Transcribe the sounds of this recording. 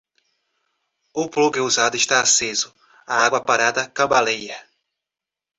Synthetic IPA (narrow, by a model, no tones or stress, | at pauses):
ʊpluɡɪuzad̪ʊɪʃt̪aːsezʊ | aaɡwɐpaɾad̪ɐkabalejɐ